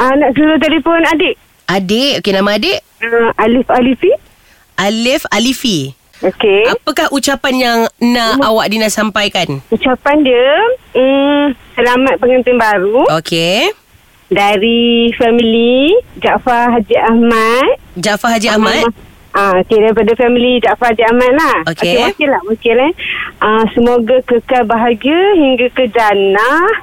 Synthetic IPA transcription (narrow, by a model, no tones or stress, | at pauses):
anaʔsuɾʊht̪̬elifɔnadeʔ | adeʔokenãmãːdeʔ | əʔalifalifi | ʔalɪfalifi | okeapəkahʔut͡ʃapanjaŋnãawaʔ̚dinaʔsampajkanut͡ʃapandiə | səlamat̪̚pəŋənt̪ɪŋbaɾuokʰe | daɾifɛmilid͡ʒaʔfaɦad͡ʒiʔahmat̪̚d͡ʒaʔfaɦad͡ʒiahmãt̪̚ | aokedaɾipadafɛmilid͡ʒaʔfahad͡ʒiahmat̪̚lahokewakilahwakilaəsəmoɡakəkalbaɦaɡiahiŋɡakəd͡ʒanah